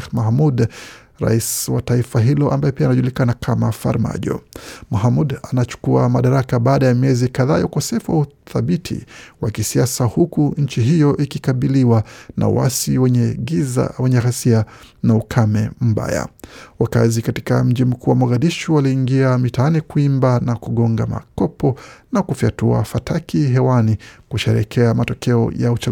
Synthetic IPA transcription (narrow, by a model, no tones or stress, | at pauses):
mahmud | ɾa̰iswataifaɦilɔʔa̰mbajɛpianaʄulikanakʰamafa̰ɾma̰ʄɔ̰maɦamudanat͡ʃu̥kuamaɗaɾakaɓaːɗajamiɛzikaðaːjaukɔsɛfuwauθaɓitʰḭwakisiasahukuɲ̩t͡ʃiɦijɔʔikikaɓiliwanʔa̰wa̰siwɛɛiza̰wɛɲɛɦasianaukʰamɛm̩ba̰ja̰waka̰zikati̥ka̰m̩ʄim̩kʰuːwamaɣaɗiʃuwaliːŋɡiamitaanikuimbanakuɠɔŋɡa̰ma̰kɔpɔnakufiatua̰fatʰakiɦɛwanikuʃɛɾɛ̰kʰɛamatɔkʰɛɔ̰jaut͡ʃa